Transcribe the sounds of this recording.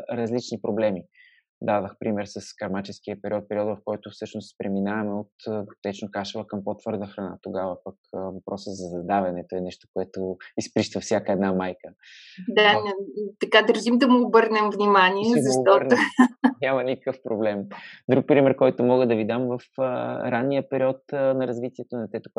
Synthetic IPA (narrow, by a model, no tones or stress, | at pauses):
ɾɐzlit͡ʃnipɾoblɛmi | d̪adəxpɾʔimɛɾsəskɐɾmat͡ʃɛsk̟iəpɛɾiɔt̪̚pɛɾʲiɔt̪vɐfkɔjt̪ʊfsɤʃnost̪pɾɛminavɐmɛot̪t̪ɛt͡ʃnokaʃəvəkəmpot̪vɤɾd̪əxɾɐna̰t̪oɡavəpɐkvɐpɾɔsəzɐzɐd̪avɛnɛt̪oɛnɛʃt̪o̥koɛt̪oispɾiʃt̪əfsjakəɛd̪namajkə | d̪anɛt̪ɐkad̪əɾʒimd̪ɐmuːbɤɾnɛmvnimaniɛzɐʃɔnnʲamɐnikəkəfpɾoblɛmd̪ɾuk̚pɾimɛɾkɔjt̪omɔɡəd̪ɐvid̪amvɐfɾanːiəpɛɾiɔt̪ənɐɾɐzvit̪iɛt̪onɐt̪ɛt̪ʊ̥k